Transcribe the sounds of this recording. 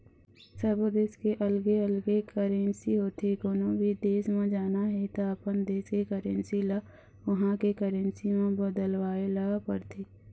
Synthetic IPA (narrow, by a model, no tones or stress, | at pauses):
səbd̪eːskeʔəlɡeəlɡekəɾensiɦoːt̪ʰekoːnobʱid̪eːsmãd͡ʒaːnaɦɛt̪oəpənd̪eːskekəɾə̃nsila | ʋɐɦãkekəɾə̃nsimẽbəd̪əlwaːeləɡapəɾt̪ʰiː